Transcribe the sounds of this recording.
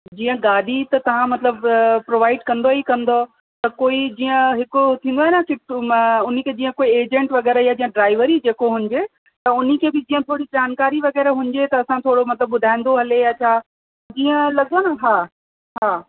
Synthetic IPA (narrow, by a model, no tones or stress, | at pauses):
d͡ʑiːə̃ɡaːɗit̪ɐt̪ɐʋ̤ãmɐt̪ləbpɾoːʋaːɪɖkɐ̃nd̪oɦikɐ̃nd̪o | t̪ɐkoːid͡ʑiːə̃ɦɪkot̪ʰĩnd̪oaːɦnakɪʊn̤ikʰeːd͡ʑiːə̃koːieːd͡ʑə̃ɳʈʋɐɣɛːɾəjad͡ʑiːə̃ɖɾaːɪʋəɾid͡ʑeːkoɦʊ̃ɲ̆d͡ʑe | t̪ɐʊn̤ikʰeːbɪd͡ʑĩːə̃t̪ʰoːɽid͡ʑaːnkaːɾiʋɐɣɛːɾəɦʊ̃ɲd͡ʑet̪ɐɐsãt̪ʰoːɽomɐt̪ləbbʊd̪ʱaːĩnd̪oɦɐleɐt͡ɕʰa | d͡ʑiːə̃lɐɠənəɦaː | ɦaː